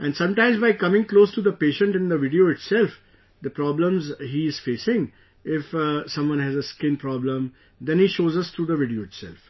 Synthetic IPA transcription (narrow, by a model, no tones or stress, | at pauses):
ʔɛ̃ɳɖsʌ̃mʈãɪ̃mzbaɪkʌmɪ̃ŋkloːsʈud̪əpeːʃə̃ɳʈɪ̃nd̪əʋɪɖioːɪʈsɛlf | d̪əpɾɔːblə̃mzɦiɪz̥feːsɪ̃ŋ | ɪfsʌ̃mʋʌ̃nɦæzəskɪ̃npɾɔblə̃m | d̪ɛ̃nhiːʃoːzʌst̪ʰɾuːd̪əʋɪɖioːɪʈsɛ̰lf